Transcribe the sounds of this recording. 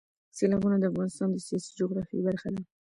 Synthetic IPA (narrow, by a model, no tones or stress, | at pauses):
selɑbunad̪əafɣɑnɪst̪ɑnd̪əsijɑsi̥d͡ʒʊɣɾɑfḭbaɾxad̪a